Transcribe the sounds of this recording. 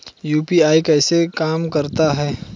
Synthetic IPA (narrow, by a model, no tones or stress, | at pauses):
juːpiaːikɛːsekaːmkəɾt̪aɦɛː